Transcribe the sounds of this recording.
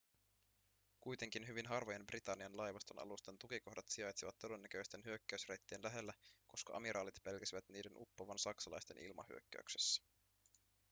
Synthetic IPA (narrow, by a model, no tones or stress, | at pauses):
kujt̪e̞ŋk̟inɦyʋinɦɑrʋoje̞mbrit̪ɑnːiɑnlɑjʋɑst̪o̞nɑ̰lust̪ent̪uk̟iko̞hdɑt̪siɑjt̪siʋɑt̪ːo̞de̞nːækøjst̪e̞nɦyøkːæysrejt̪ːienlæɦe̞lːæko̞skɑ̰ʔɑ̰miɾʔɑːlit̪pe̞lkæsiʋæt̪niːde̞nʔupːoʋɑnsɑksɑlɑ̰jst̪e̞̰nʔḭlmɑ̰hy̰ø̞̰kːæ̰ʉykse̥sːæ̥